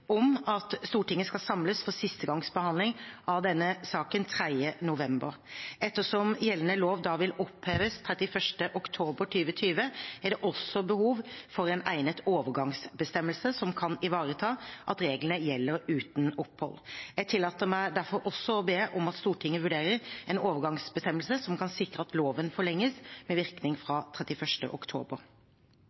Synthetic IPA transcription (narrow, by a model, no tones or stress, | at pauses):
ɔmɑt̪st̪uːʈɪŋːəskɑsɑmləsfɔsɪst̪əɡɑŋsbəhɑnd̪lɪŋʔɑʋd̪ɛnːəsɑːkənt̪ʰɾæd̪ənʊʋɛmbəɾ | ɛt̪ːəʂɔmjɛlːənəloːʋd̪ɑːʋɪlɔpheːʋəst̪ʰɾɛt̪ɪfœʂʈəʔɔkt̪ʰoːbəʈʰyːʋət̪ʰyːʋəæɖɛʔɔsːɔbəhuːʋfɔɾɛnæ̰ɪnət̪oːʋəɾɡɑŋsbəst̪ɛmːəlsəsɔmkʰɑnɪʋɑːɾət̪ʰɑːʔɑt̪ɾeːɡlənəjɛlːəɾʉːt̪nɔpːhɔ̰lːjæɡ̚t̪ʰɪlːɑːt̪əmæɪd̪æɾfɔɾʔɔsːɔɔbeːʔɔmɑt̪st̪uːʈʰɪŋːəʋʉɖeːɾəɾɛnoːʋəɾɡɑŋsbəst̪ɛmːəlsəsɔmkʰɑnsɪkɾəɑt̪loːʋənfɔɭɛŋːəsmɛʋɪʁknɪŋfɾɑt̪ʰɾɛt̪ɪfœʂʈə̰ʔɔkt̪ʰo̰ːbəɾ